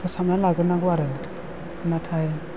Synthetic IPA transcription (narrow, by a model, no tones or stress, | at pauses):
pʰɔsamnalaɡɯnaɡɔaɾɯl | natʰaj